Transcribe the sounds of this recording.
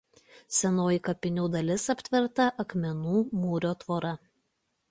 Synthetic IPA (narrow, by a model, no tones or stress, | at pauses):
sʲɛnoːjikɐpʲɪnʲuːd̪ɐlʲɪsɐpʲt̪ʲʋʲɪɾt̪ɐʔɐkmʲɛnuːmuːɾʲoːt̪ʋoːɾɐ